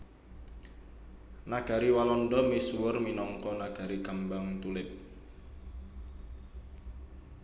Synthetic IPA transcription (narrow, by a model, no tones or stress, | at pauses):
naɡ̥a̤ɾiwalɔndɔmisuwʊrminɔŋkɔnaɡ̥a̤ɾikəmbaŋt̪ulɪp̪̚